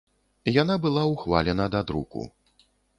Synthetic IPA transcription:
janabɨlˠawxva̰lʲɛnɐd̪ad̪ɾṵkṵ

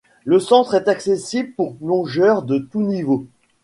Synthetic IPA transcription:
ləsɑ̃t̪χɛt̪aksesibləpuʁplɔ̃ʒœʁd̪ət̪univo

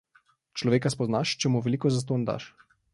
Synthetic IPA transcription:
t͡ʃlɔʋeːkaspɔznaʃt͡ʃɛmuʋɛlikɔzas̬t̪oːnd̪a̰ʃ

